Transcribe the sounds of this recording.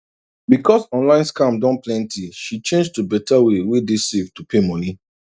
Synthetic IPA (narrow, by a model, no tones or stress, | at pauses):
bikɔsɔ̃nlãɪ̃nskãmdɔ̃nplɛ̃ntʰiʃit͡ʃẽnd͡ʒdəbɛtawewedesevtupʰemɔ̃ni